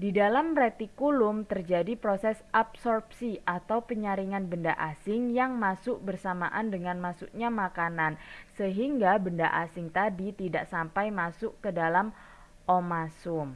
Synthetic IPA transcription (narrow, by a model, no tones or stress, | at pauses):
didalamret̪ikulʊmt̪ərd͡ʒadipɾosɛsapsɔrp̚siʔat̪awpəɲaɾiŋanbəndaʔasɪŋjaŋmasʊʔ̚bərsama̰ʔandəŋanmasuʔɲamakanansəɦiŋɡabənda̰ʔasɪŋt̪adit̪ida̰ʔsampajmasʊʔkədalam | ʔomasʊm